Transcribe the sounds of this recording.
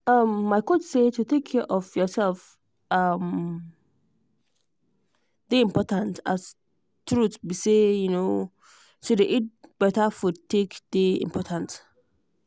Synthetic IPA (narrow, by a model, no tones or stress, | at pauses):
ʌmːaɪkotsetuθɪ̃kʰːɛʔɔfjɔsɛlf | ʌm | deĩmpʰɔtãnta̰s | tʰɹutbisejuno | sodeʔit̚b̥ɛtafudtʰːekdeḭ̃mpʰɔtʰãnt